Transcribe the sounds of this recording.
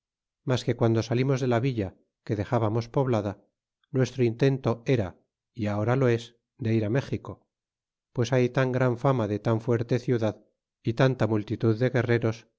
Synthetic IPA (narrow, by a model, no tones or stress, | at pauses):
maske̞kwand̪o̞salimo̞zðelaβiʎa | ke̞ðe̞xaβamo̞spo̞βlaða | nwe̞st̪ɾoint̪e̞nt̪o̞e̞ɾa | iao̞ɾalo̞e̞s | d̪e̞iɾame̞xiko̞ | pwe̞sajt̪aŋɡɾaɱfamaðe̞t̪aɱfwe̞ɾt̪e̞θjuðað | it̪ant̪amult̪it̪uðːe̞ɣe̞re̞ɾo̞s